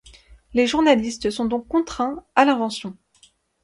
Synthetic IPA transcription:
leʒuʁnalist̪sɔ̃d̪ɔ̃kːɔ̃t̪χɛ̃alɛ̃vɑ̃sjɔ̃

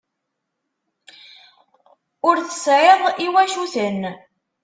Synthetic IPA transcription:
ʊɾθəsʕeðˤiwæʃuθən

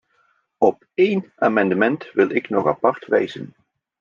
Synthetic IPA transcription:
ɔp̚ | ejnaːmɑndəmɛntʋɪlˠɪknɔχapɑɹtʋɛjzən

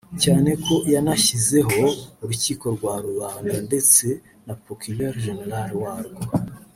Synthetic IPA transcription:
caːne̞ko̞janaçize̞ɦo̞uɾuciːko̞ɾɡwaːɾuβaːndande̞t͡se̞ | napokuleɾʒeneɾaɾwaːɾɡo

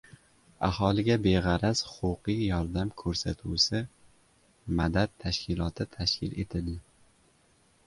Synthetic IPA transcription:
ahɒlˠɪɡʲabe̞ʁɑɾashʊ̥qʊqʰijjɒɾd̪amkʰɵɾsat̪ʰusɪ | mad̪at̪̚ʰːaʃkʲʰɪlˠɒt̪ʰɪt̪ʰaʃkʲʰɪle̞t̪ʰɪld̪ɪ

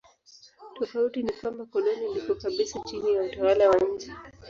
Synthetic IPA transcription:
tɔfautinikwambakɔlɔnilikɔkaɓisat͡ʃinijautawalawaɲ̩d͡ʒɛ

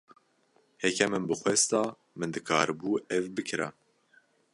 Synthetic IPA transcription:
hɛkʰɛmɨnbɨxwɛst̪ɑː | mɨnd̪ɨkʰɑ̰ːɾɨbuːɛvbɨkʰɨɾa̰

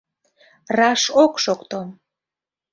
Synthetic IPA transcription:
rɑʃokʃokt̪o

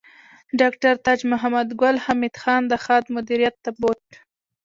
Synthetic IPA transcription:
ɖɑkʈaɾt̪ɑd͡ʒmʊɦamad̪ɡʊlhamid̪xɑnd̪əxɑd̪mʊd̪iɾijat̪ːaboʈ

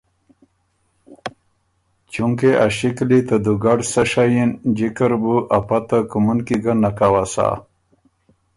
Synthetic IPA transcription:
t͡ʃuŋkeʔaɕiklit̪ad̪uɡaɖsəʂajind͡ʑikəɾbuʔapat̪akumunkiɡanakawasa̰

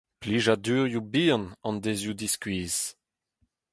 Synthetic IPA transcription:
pliːʒadyːʁjubiːɑ̃nɑ̃nd̪ezjud̪iskɥiːz̥

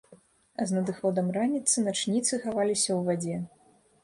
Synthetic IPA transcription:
znɐd̪ɨxɔd̪ɐmranʲit̪sɨnat͡ʂnʲit̪sɨxavalʲisʲɐwvad͡zʲɛ

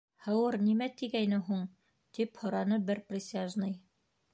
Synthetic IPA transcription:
hɤ̆wɤɾnimæt̪iɡæjnɘɦuɴ | t̪iphŏɾɑnɤbɘɾprʲɪsʲaʒnɤj

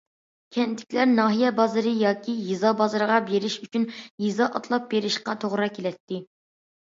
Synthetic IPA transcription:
kʲʰɛnt̪ʰɪ̥kʲlæɾnɑːɦijɛbɑzɨɾɨjɑːkʲʰijizɑbɑzɨɾəʁɑbeɾɪʃyt͡ʃʰynjizɑʔɑt̪ʰlˠɑp̚beɾɪʃqɑt̪ʰoʁɾɑkʲʰelɛt̪ːɪ

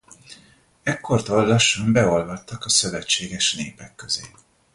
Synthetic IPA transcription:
ɛkːo̞rt̪ollɒʃɒmbɛo̞lvɒt̪ːɒkɒsø̞vɛt͡ʃːeːɡɛʃneːpɛkːø̞zeː

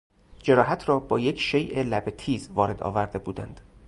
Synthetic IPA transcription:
d͡ʒe̞ɾɒːɦæt̪ʰɾɒːbɒːjecʰʃejʔelæbet̪ʰiːzvɒːɾe̞d̪ɒ̰ːvæɾd̪e̞buːd̪æ̰nd̪̥

